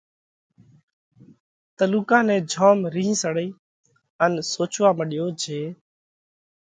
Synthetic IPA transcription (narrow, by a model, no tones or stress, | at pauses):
t̪əluːkãːnɛ̃ːd͡ʒʱoːmɾiːɦĩːsəɽiː | ənsoːt͡ʃʋaːməɗɪjoːd͡ʒeː